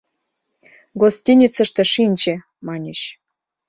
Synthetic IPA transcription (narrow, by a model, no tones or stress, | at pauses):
ɡosʲt̪ʲinʲit͡sə̆ʃt̪ɤ̆ʂinʲt͡ɕĕ | mɑnʲĕɕ